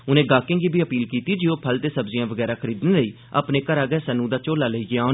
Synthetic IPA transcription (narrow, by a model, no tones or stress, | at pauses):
ʊnẽːɡaːkɪ̃ːŋɡiːbʱiːəpiːlkiːt̪iːd͡ʒiːoːpʰəlt̪eːsəbzɪjãːʋəɡɛːɾaːkʰəɾiːd̪nːləiː | ə̰pneːkəɾaːɡɛːsənũːd̪aːt͡ʃoːlaːləiːɡɪaːo